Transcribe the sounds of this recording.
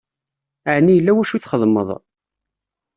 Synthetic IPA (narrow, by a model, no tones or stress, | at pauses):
aʕnːijəlːæwæʃuθχəðˤmə̰ðˤ